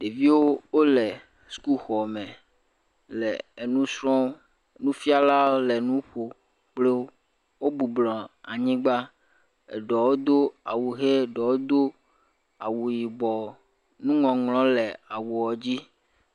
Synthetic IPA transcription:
ɖe˨vi˦wo˦wo˦le˨ | sku˦xɔ˨mɛ̃˨ | lɛ˨e˨nũ˦sɾɔ̃˦ | e˨nũ˦fi˦a˦la˦o˦lɛ˨nũ˦ɸo˨ | k͡ple˦o˦ | wo˦bu˨blɔ̃˨a˨ɲĩ˦ɡ͡ba˦ | ḛ˨ɖɔ˨wo˦d̪o˦a˨wu˨ɦe˦˨ɖɔ˨wo˦d̪o˦ | a˨wu˨ji˨bɔ˨ | nũ˦ŋɔ̃˨ŋlɔ̃˦lɛ˨a˨wu˨wɔ˨d͡ʑi˦

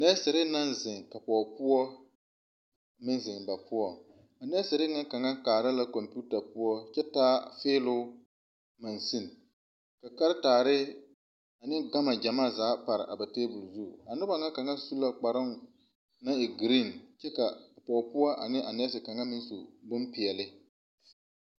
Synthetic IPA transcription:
nɛ˦sɪ˨ɾɪ˦na˦nzɪ˨ŋka˨pɔː˨pʊ˦ɔ˦ | mɪ˦nzɪ˨ŋba˨pʊ˦ɔ˨ | a˨nɛ˦sɪ˨ɾɪ˦ŋa˦ka˨ŋa˦kaː˨ɾa˦la˦ko˨mpu˦ta˨pʊ˦ɔ˦t͡ʃɛ˦taː˦feː˦lʊ˦ | ma˨nsi˦˨n˨ | ka˨ka˦ɾɪ˦taː˨ɾɪ˦ | a˨nɪ˦ɡa˦ma˨d͡ʒa˨maː˦˨zaː˨˦pa˨ɾɪ̰˨ʔa˨ba˨teː˦bʊ˨lzu˦˨a˨nʊ˦ba˨ŋa˦ka˨ŋa˦su˦la˦k͡pa˨ɾɪ˦m | na˦ɪ˨ɡɾi˦˨nt͡ʃɛ˦ka˨pɔ˨pʊ˦ɔ˦ʔa˨nɪ˦ʔa˨nɛ˦s̬ɪ˨ka˨ŋa˦mɪ˦n˦su˨bʊ˦mpɪ˨ɛ˨lɪ˦

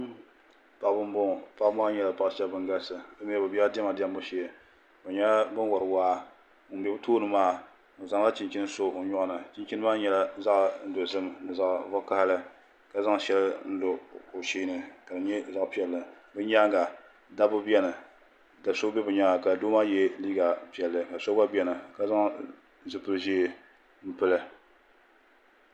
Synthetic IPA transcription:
pa˨bɨ˦m˦bʊ˦˨pa˦ʔm˦a˦ɲɛ˨la˨pa˦ʃɛ˦lbɨ˦ŋ˦ɡa˦sɨ˨bɨ˦mi˦ɛ˦bɨ˨bi˦ɛ˦dɛ˦ma˨di˦ɛ˦mbʊ˦ʃi˨ | bɨ˨ɲɛ˦bɨ˦n˦wɔ˨ɾɨ˨waː˦ | ŋ̩˨bɛ˨bɨ˦toː˦nɨ˦maː˦˨ | o˨za˨ŋla˦t͡ʃi˨nt͡ʃi˦nɨ˦so˦o˨ɲɔ˦ʔnɨ˨t͡ʃi˦nt͡ʃi˦nɨ˦maː˦ɲɛ˨la˦za˦ʔn̩˦do˨zɨ˦mnɨ˨za˨ʔvɔ˦ka˦hlɨ˦ | ka˨za˦ŋʃɛ˦lɨ˦n̩˦lo˨o˨ʃiː˦nɨ˨ka˨dɨ˨ɲɛ˦za˦˨ʔpi˨ɛ˨lːɨ˨bɨ˦ɲa˦ŋɡa˨ | da˦bʊ˦bi˦ɛ˦nɨ˨ | da˨so˦bɛ˦bɨ˨ɲa˨˦ŋa˨ka˨doː˦maː˦jɛ˦liː˦ɡa˨pi˨ɛ˨lːɨ˨ka˨so˦ba˦bi˨ɛ˦nɨ˨ka˨za˦ŋ | zɨ˦pɨ˨ɾʒi˦˨ | m̩˦pɨ˦lɨ˦

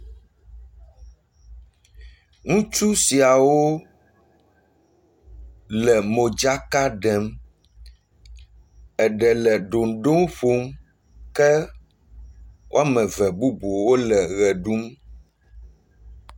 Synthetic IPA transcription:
ŋũ˦t͡ʃu˦si˨a˨wo˦ | lɛ˨mo˨d͡ʒa˦ka˦ɖɛ˨m | ɛ˨ɖɛ˨lɛ˨ɖo˨n˨ɖo˦ŋ˦ɸo˦m | kɛ˦ | wʔo˦a˦mɛ̃˨vɛ˨bu˦bu˨wo˦lɛ˨ɣɛ˨ɖu˦m

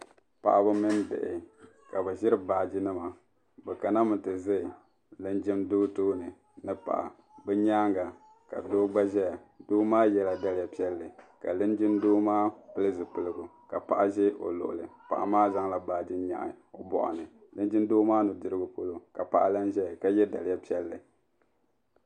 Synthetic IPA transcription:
pa̰˨ʔa˨bɨ˦mɨ˦ndɪ̰˨ʔɪ˨ | ka˨bɛ˨ʒɪ˦ɾɨ˦baː˨d͡ʒɪ˦nɨ˦ma˨ | bɛ˨ka˨na˦mɨ˨ntɨ˨zɨ˦˨ | lɨ˦nd͡ʒɪ˦mdoː˦toː˦nɨ˨ | nɨ˦pa̰˨ʔa̰˨ | bɛ˦ɲaː˦ŋɡa˨ | ka̰˨doː˦ɡ͡ba˦ʒɛ˦ja˨doː˦maː˦jɛ˦˨la˨da˦lɪ˦ja˨pi˦ɛ˦lːɨ˨ka̰˨lɨ˦nd͡ʒɪ˦ndoː˦maː˦pɨ˦lɨ˦zɨ˨pɨ˨lɨ˦ɡʊ˨ | ka˨pa˨ʔa˨ʒɛ˦ʔo̰˨lo̰˨ʔʊ̰˨lɨ˨pa̰˨ʔa̰˨maː˦za˦ŋla˨baː˨d͡ʒi˦ɲa̰˨ʔo˨bɔ̰˨ʔa̰˨nɨ˨ | lɨ˦nd͡ʒɪ˦ndoː˦maː˦nʊ˨dɨ˦ɾɨ˦ɡʊ˨po˦lo˦ka˨pa˨ʔa˦la˦nʒɛ˦˨ka˨jɛ˦da˨lɪ˨˦ja˦pi˦ɛ˦lːɨ˨

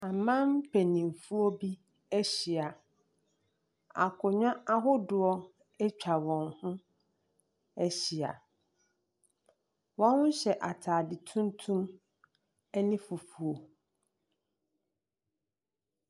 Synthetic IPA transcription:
a˨mã˦mpʰe˨nĩ˨m˨fu˦o˦bi˦ | ɛ˦ɕi˨a˨ | a̰˨kʰʊ˨ɲᶣã˦a˦ɦʊ˦dʊ˦ɔ˦ | ɛ˦t͡ɕᶣʰa˨wɔ̃˨nhʊ̃˦ | ɛ˦ɕi˨a̰˨ | wã˦ŋʊ̃˦ɕɛ˨ʔa˨tʰaː˨dɪ˨tʰũ˦n˦tʰũ˦m | ɛ˦nĩ˦fu˨fu˨o˨

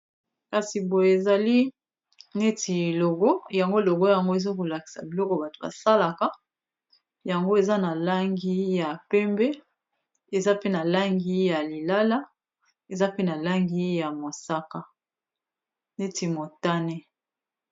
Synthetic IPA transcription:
ka˨si˨bo˨je˨e˨za˨li˦ | ne˦ti˨lo˨ɡo˦ja˨ŋɡo˦lo˨ɡo˦ja˨ŋɡo˦e˨zo˦ko˨la˨ki̥˨sa̰˨bi˨lɔ˦kɔ˨ba˨to̥˨ba̰˨sa˦la˨ka˦ | ja˨ŋɡo˦e˨za˦na˨la˦ŋɡi˦ja˨pɛ˦mbɛ˦ | e˨za˦pe˦na˨la˦ŋɡi˦ja˨li˨la˦la˦ | e˨za˦pe˦na˨la˦ŋɡi˦ja˨mo˨sa˦ka˦ | ne˦ti˨mo˨ta˦ne˦

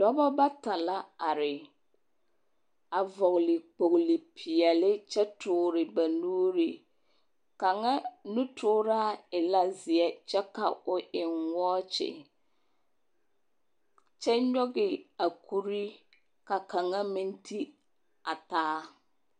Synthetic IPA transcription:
d̥ɔ˦bɔ˦ba˦ta˨la˦a˨ɾɪ˨ | a˨vɔ˨ɣlɪ˨k͡po˨klɪ˨pʰi˨ɛ˨lɪ˦t͡ʃɛ˦tʰʊː˨˦ɾɪ˨ba˨nuː˦ɾi˨ | ka˨ŋa˦nũ˦tʰʊː˦ɾa˦ɪ˨la˦zɪ˨ɛ˦t͡ʃɛ˦ka̰˨ʊ˨ʔɪ˨ŋwɔː˦t͡ʃɪ̰˨ | t͡ʃɛ˦ɲɔ˦ɡɪ˨a˨kʰu˦ɾi˦ | ka˨ka˨ŋa˦mĩ˦ntʰi˦ | a˨taː˦

